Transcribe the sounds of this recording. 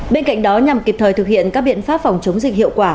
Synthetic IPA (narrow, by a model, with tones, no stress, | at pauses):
ɓe˧nka̰˧˨jŋ̟ɗɔ˨˦ɲa˨˩mki˨˩p̚t̪ʰəː˨˩jt̪ʰɨ˨˩k̚hḭ˧˨ənkaː˦˥k̚ɓḭ˧˨ənfaː˦˥p̚fa˨˩wŋ͡mt͡ɕə˨˦wŋ͡mzï˨˩k̟hḭ˧˨əwkwaː˧˩